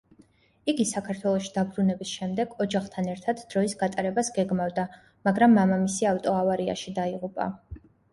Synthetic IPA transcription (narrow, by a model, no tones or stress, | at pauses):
iɡisakʰaɾt̪ʰwɛlˠɔʃid̪abɾunɛbisʃɛmd̪ɛɡɔd͡ʒaχt̪ʰanɛɾt̪ʰad̪d̪̥ɾɔisɡat̪ʼaɾɛbasɡɛɡmavd̪a | maɡɾamːamamisiaft̪ʼɔavaɾia̰ʃid̪aiʁupʼa̰